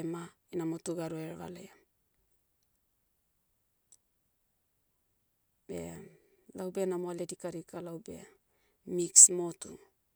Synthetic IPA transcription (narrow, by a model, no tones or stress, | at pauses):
ma | inamotuɡaɾueɾβa̰lea | be̞̰ | lawbe̞namoaledikaɾikalawbe̞̰ | miksmo̞tṵ